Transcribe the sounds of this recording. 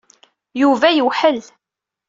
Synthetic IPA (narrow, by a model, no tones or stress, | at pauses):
juvæjəwħəl